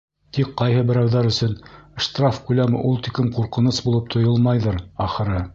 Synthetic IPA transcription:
t̪ik̚qɑjɦɤbɘ̆ɾæwðæɾɵ̆sɵnʃt̪rafkʉlæmɘ̰ʔulˠt̪ikɘmquɾqɤ̆nɤsbulˠɤp̚t̪ʰŏjolˠmɑjðɤɾɑχɤ̆ɾɤ

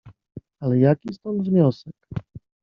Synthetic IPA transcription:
alɛjakʲist̪ɔnt̪vɲɔsɛk

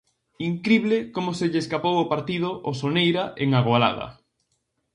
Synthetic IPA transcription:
iŋkɾiβ̞lekomʊseʎeskapowʊpaɾt̪ið̞oʔosonejɾaʔeŋaɣwala̰ð̞ɐ̰

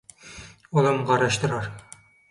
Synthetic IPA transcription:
olˠɑmʁɑɾɑʃt̪ɤ̆ɾɑɾ

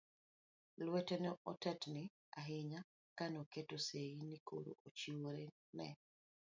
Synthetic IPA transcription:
lwɛtɛnɔʔɔtatnɪ | aɦɪɲa | kanoketoseinikʰo̰ɾo̰ʔot͡ʃiwoɾe | nɛ̰

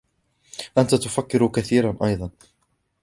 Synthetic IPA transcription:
ʔant̪at̪ʊfakːɪɾkaθiːɾanʔɑjðˤɑn

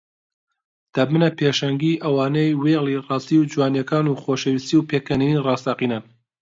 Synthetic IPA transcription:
d̪̥ɐmɨnɐpʰeːʃɐŋɡiːʔɐwaːnejwelˠirɑːst̪iwd͡ʒuwaːnjɐkaːnuːxoːʃɐwist̪iwpʰeːkɐninirɑːst̪aːqinan

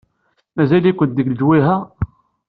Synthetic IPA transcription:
mæzælikʷənt̪d̪əɡld͡ʒwiɦæ

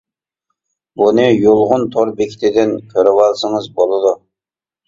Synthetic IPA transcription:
bunɨjolˠʁʊnt̪ʰoɾbekʲʰi̥t̪ʰɪd̪ɪnkʲʰøɾɪwɑlˠsəŋɨzbolˠɨd̪u

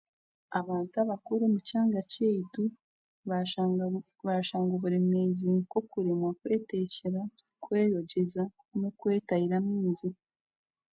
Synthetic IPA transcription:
aβaːntuaβakuɾumucaːŋɡacejitu | β | βaʃaːŋɡoβuɾe̞me̞ziko̞kuɾemwakwe̞ːteceɾa | kwe̞ːjoɟe̞za | nokwe̞ːtahiɾamiːnzi

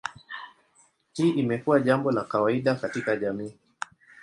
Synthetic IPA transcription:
tiʔimɛkuwaʄambɔlakawaiɗakatikaʄamiː

